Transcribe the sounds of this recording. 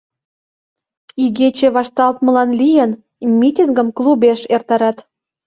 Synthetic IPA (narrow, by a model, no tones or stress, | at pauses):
iɣet͡ɕeβɑʃt̪ɑlt̪mə̆lɑnlʲijə̆n | mʲit̪ʲinɡə̆mklˠubeʃert̪ɑɾɑt̪